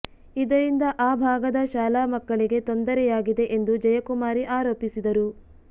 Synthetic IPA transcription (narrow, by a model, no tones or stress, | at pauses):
id̪ɐɾind̪ɐʔaːbʱaːɡɐd̪ɐʃaːlaːmɐkːɐɭiɡe̞t̪ond̪ɐɾɛjaːɡid̪e̞ʔe̞nd̪ud͡ʒɐjɐkumaːɾiʔaːɾoːpisid̪ɐɾu